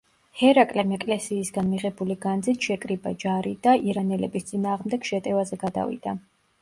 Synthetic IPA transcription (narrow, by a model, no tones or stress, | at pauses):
hɛɾakʼlɛmɛkʼlɛsiːsɡanmiʁɛbuliɡand̪zit̪ʰʃɛkʼɾiba̰d͡ʒaɾid̪aiɾanɛlɛbist̪sʼinaːʁmd̪ɛɡ̥ʃɛt̪ʼɛvazɛɡad̪a̰vḭd̪̥a